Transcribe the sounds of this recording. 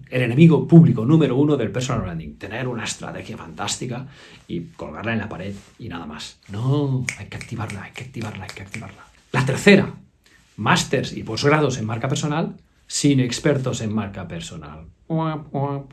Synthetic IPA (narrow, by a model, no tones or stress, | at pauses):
ele̞ne̞miɣopuβlikonũmeɾounoðelpeɾsonalβɾand̪iŋt̪e̞ne̞ɾunaest̪ɾa̰t̪exjafant̪ast̪ika | ikolɣa̰ɾlaenlapaɾe̞ðinaðama̰snoajkeak̚t̪iβaɾlaajkeak̚t̪iβaɾlaajkeak̚t̪iβaɾla | lat̪eɾθe̞ɾa̰ | mast̪eɾsḭpozɣɾaðose̞mmaɾkapeɾsonal | sinekspeɾt̪o̞semːaɾkapeɾsona̰l | aa